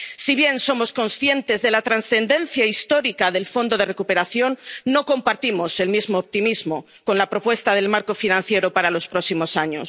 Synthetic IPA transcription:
siβ̞je̞nso̞mo̞sko̞nsθje̞nt̪e̞zðe̞lat̪ɾansθe̞nd̪e̞n̟θjaist̪o̞ɾikaðe̞lfo̞nd̪oð̞e̞rekupe̞ɾaθjo̞nːo̞ko̞mpaɾt̪imo̞se̞lmizmoːp̚t̪imizmo | ko̞nlapɾo̞pwe̞st̪að̞e̞lmaɾko̞finãn̟θje̞ɾo̞paɾalo̞spɾo̞ksimo̞saɲos

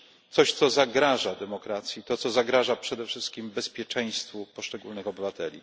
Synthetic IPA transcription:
t̪sɔɕt̪sɔzaɡɾaʐad̪ɛmɔkɾat̪sʲjit̪ɔt̪sɔzaɡɾaʐapʂɛd̪ɛfʂɘst̪̚kʲimbɛspʲjɛt͡ʂɛ̃j̃st̪fupɔʂt͡ʂɛɡulnɘxɔbɘvat̪ɛlʲḭ

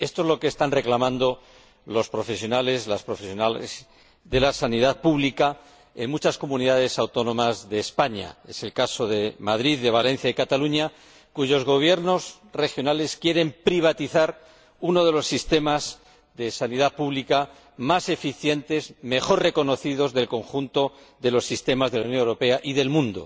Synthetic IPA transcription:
e̞st̪oezlo̞keːst̪anre̞klamãnd̪o̞ | lo̞spɾo̞fe̞sjo̞nale̞zlaspɾo̞fesjonalḛz | ðe̞lasaniðaðpuβlika | e̞̰nmut͡ʃasko̞mũniðaðe̞sawt̪o̞nõ̞mazðe̞ːspaɲa̰e̞se̞lkaso̞ðe̞maðɾiðːe̞β̞ale̞n̟θjaikat̪aluɲa | kuʝo̞zɣo̞β̞je̞ɾno̞z | re̞xjo̞nale̞skje̞ɾe̞mpɾiβ̞at̪iθaɾ | uno̞ð̞e̞lo̞sːist̪e̞maz | ðe̞saniðaðpuβlika | mase̞fiθje̞nt̪e̞zme̞xo̞rre̞ko̞no̞θiðo̞zðe̞lkõ̞ŋxunt̪o̞ | ðe̞lo̞sːist̪e̞mazðe̞lawnjonewɾo̞pe̞aʔiðe̞lmũnd̪o̞̰

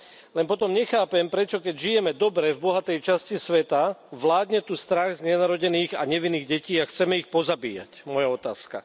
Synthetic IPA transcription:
lɛnp̬ɔt̪ɔmɲɛxaːpɛmpɾɛt͡ʃɔkɛɟʒijɛmɛd̪ɔbɾɛvbɔɦat̪ɛjt͡ʃascisʋɛt̪aʋlaːd̪ɲɛt̪ust̪ɾaɣzɲɛnaɾɔɟɛniːɣa̰ɲɛʋinːiːɣɟɛciːaxt͡sɛmɛixpɔzabḭːja̰cmɔjaɔt̪a̰ːska̰

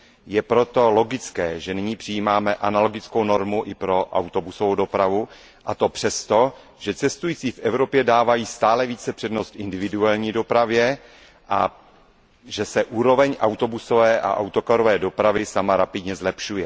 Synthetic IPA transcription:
jɛpɾo̞t̪o̞lo̞ɡɪt͡skɛːʒɛnɪɲiːpr̥ɪjiːmaːmɛʔanalo̞ɡɪt͡sko̞wno̞ɾmuʔɪpɾo̞ʔa̰wt̪o̞busovowdo̞pɾavu | ʔat̪o̞pr̝̥ɛst̪o̞ | ʒ̥ɛt͡sɛst̪ujiːt͡siːfʔɛvɾo̞pjɛdaːvajiːst̪aːlɛviːt͡sɛpr̥ɛdno̞st̪ɪndɪvɪduaːlɲiːdo̞pɾavjɛ | ʔa̰ | ʒɛsɛʔuːɾo̞vɛɲʔawt̪o̞buso̞vɛːʔa̰ʔa̰wt̪okaɾo̞vɛːdo̞pɾavɪsamaɾapɪdɲɛzlɛpʃujɛ

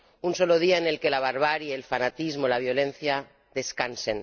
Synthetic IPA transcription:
unso̞loð̞iaene̞lke̞laβ̞aɾβ̞aɾjelfanat̪izmolaβjo̞lẽ̞nθja | ðe̞skansen

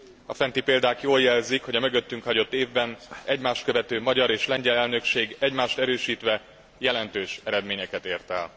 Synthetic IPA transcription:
ɒfɛnt̪ipeːld̪aːkjoːljɛlzikho̞ɟɒmø̞ɡø̞t̪ːyŋkhɒɟo̞t̪ːeːvbɛnɛɟmaːʃt̪̚køvɛt̪øːmɒɟɒɾeːʃlɛɲɟɛlɛlnø̞kʃeːɡɛɟmaːʃt̪ɛɾøːʃiːt̪ʋɛ | jɛlɛnt̪øːʃɛɾɛd̪meːɲɛkɛt̪eːrt̪ɛ̰ːl

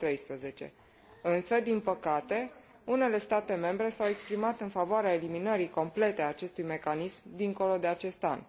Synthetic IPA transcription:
t̪ɾe̞jspɾəze̞t͡ʃe̞̰ | ɨnsəd̪inpəkat̪e̞ | une̞le̞st̪at̪e̞me̞mbɾe̞sawe̞kspɾimat̪ɨnfavoaɾeaeliminəɾiko̞mple̞t̪e̞aːt͡ʃe̞st̪ujme̞kanismd̪iŋko̞lo̞d̪e̞at͡ʃe̞st̪a̰n

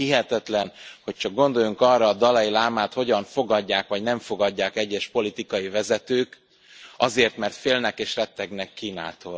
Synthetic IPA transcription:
hiɦɛt̪ɛt̪lɛnho̞c̚t͡ʃɒɡ̚ɡo̞nd̪o̞juŋkɒrːɒːd̪ɒlɒjilaːmaːt̪ho̞ɟɒɱfo̞ɡɒɟːaːkʋɒɟnɛɱfo̞ɡɒɟːaːkɛɟːɛʃpo̞lit̪ikɒjivɛzɛt̪øːk | ɒzeːrt̪mɛrt̪feːlnɛkeːʃrɛt̪ːɛɡnɛkːiːna̰ːt̪oːl

